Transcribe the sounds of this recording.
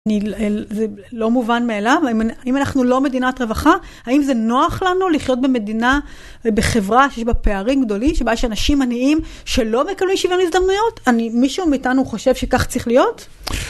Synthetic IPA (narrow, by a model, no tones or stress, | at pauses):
niezelo̞muvanmeːlavinaimanaχnulo̞me̞dinatʁe̞vaχa | haimze̞no̞aχlanuliχjo̞t̚be̞me̞dina | beχe̞vʁaʃejeʃbape̞aʁimɡdo̞limʃebajaʃanaʃimaniim | ʃe̞lo̞me̞kablimʃivenuizd̪amnujo̞tanimiʃumiːtanuχo̞ʃe̞vʃe̞kaχt͡sʁiχlijo̞t